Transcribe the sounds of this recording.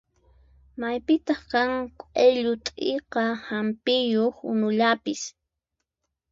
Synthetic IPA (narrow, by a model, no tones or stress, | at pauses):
majpɪt̪ɑχkaŋkʷʼeʎʊt̪ʼḛqɑhampɪjoχʊ̰nʊʎapɪs